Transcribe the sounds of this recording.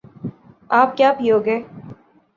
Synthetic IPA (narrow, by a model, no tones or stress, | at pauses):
aːp̚kjaːpʰioːɡeː